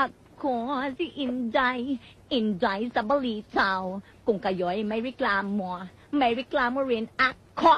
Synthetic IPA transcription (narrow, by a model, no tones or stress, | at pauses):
ʔa | kʰːɔsiʔind͡ʒaj | ind͡ʒajsabalitʰaw | kuŋkajɔjmajɾiklaːmːɔ | mawiklaːmɔɾinʔa | kʰːɔ